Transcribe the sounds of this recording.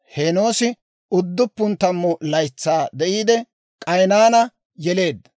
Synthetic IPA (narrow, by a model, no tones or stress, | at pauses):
heːno̞ːsɪ | ʊd̪ːʊpːʊnt̪ɐmːʊlɐjt͡sːaːd̪ɛʔiːd̪ɛ | kʼɐjnaːnɐ | jɛle̞ːd̪ːɐ